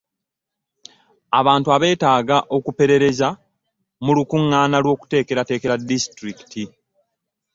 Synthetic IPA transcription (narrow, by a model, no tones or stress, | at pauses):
aβaːntuaβe̞ːtaːɡaʔo̞kupe̞ɾe̞ɾe̞za | mulukuŋːaːnalwo̞ːku̥te̞ːke̞ɾate̞ːke̞ɾadːistɾiki̥tʰi